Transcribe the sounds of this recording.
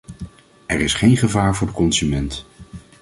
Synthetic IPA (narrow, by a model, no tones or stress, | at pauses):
ɛɹɪsχejnχəvaːɹvʊːɹdəkɔnzymɛnt